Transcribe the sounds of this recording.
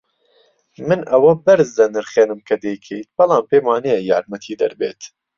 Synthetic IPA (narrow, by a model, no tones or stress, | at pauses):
mɨnʔɐwɐbɐɾzd̪ɐnɨɾχeːnɨmkʰɐd̪ejkʰejt̪̚b̥ɑlˠɑːmpeːmwaːnɛjɛjaːɾmɐt̪ʰiːd̪ɐ̰ɾbeːt̪